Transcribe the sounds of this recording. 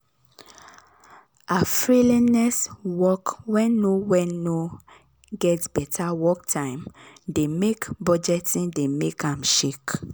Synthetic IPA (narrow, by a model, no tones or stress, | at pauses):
afɹilinɛswɔkwɛ̃nːowɛno | ɡɛtbɛtʰawɔk̚tʰãɪ̃mdemekbɔd͡ʒɛtĩndemekʰãmʃek